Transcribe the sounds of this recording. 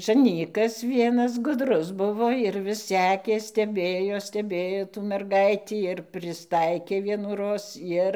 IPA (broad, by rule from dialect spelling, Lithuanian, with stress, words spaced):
ʒɐˈnʲiːkɐs ˈʋʲiɛnɐs ɡʊˈdrʊs ˈbʊʋoː ɪr ʋʲɪs ˈsʲæːkʲeː sʲtʲɛˈbʲeːjoː sʲtʲɛˈbʲeːjoː tuː mʲɛrˈɡɐɪtʲiː ɪr pʲrʲɪsˈtɐɪkʲeː ʋʲiɛnuːˈroːs ˈjɪr